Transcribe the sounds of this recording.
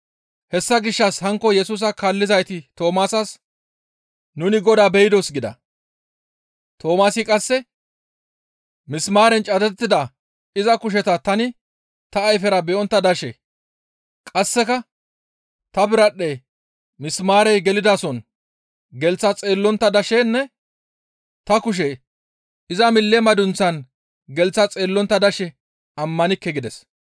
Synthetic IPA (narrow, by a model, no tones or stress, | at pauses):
hɛsːɐɡɪʃːɐshɐŋkːɔjɛsuːs̬ɐkaːlːɪzɐjt̪ɪt̪o̞ːmaːsɐs | nʊnɪɡɔd̪aːbɛjɪd̪ɔsɡɪd̪ɐ̰ | t̪ʰo̞ːmaːsɪkʼɐsːɛ | mɪsmaːɾɛnt͡ʃʼɐd̪ɛt̪ːɪd̪ɐ | ɪzɐkʊʃ̬ɛt̪ɐt̪ɐnɪ | t̪ɐːjfɛɾɐbɛʔɔnt̪ːɐd̪ɐʃɛ | kʼɐsːɛkɐ | t̪ɐbɪɾɐɗːe | mɪsmaːɾɛjɡɛlɪd̪aːsɔn | ɡɛlt͡sːɐt͡sʼeːlːɔnt̪ːɐd̪ɐʃenːɛ | t̪ɐkʊʃ̬ɛ | ɪzɐmɪlːɛmɐd̪ʊnt͡sːɐn | ɡɛlt͡sːɐt͡sʼe̞ːlːɔnt̪ːɐd̪ɐʃɛ | ɐmːɐnɪkːɛɡɪd̪ɛs